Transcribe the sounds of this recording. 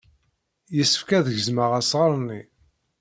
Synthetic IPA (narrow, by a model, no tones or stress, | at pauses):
jəsːəfkæðəʝəzməʁæsʁəɾˤni